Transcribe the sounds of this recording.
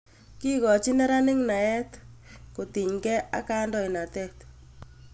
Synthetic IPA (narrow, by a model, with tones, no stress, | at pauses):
ki˦kɔ˨t͡ʃi˦nɛ˦ɾa˦nɪ˦ŋna˨ɛ˦tko˨ti˨ɲkɛ˦a̰˦ka˦ndɔ˨i˨na˨tɛ˦t